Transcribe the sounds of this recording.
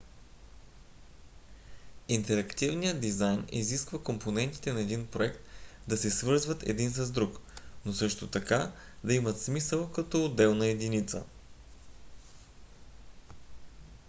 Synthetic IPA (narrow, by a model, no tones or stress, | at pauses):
int̪ɛɾɐkt̪ivnijəd̪izajnḭziskvəkompʰonɛnt̪i̥t̪ɛnɐɛd̪inpɾoɛkt̪d̪ɐsɛsvɤɾzvət̪ɛ̰d̪insɐzd̪ɾuknosɤʃt̪ot̪ɐka | d̪ɐimət̪smisəlˠkɐt̪ood̪ɛlˠnɐɛd̪init̪sə̰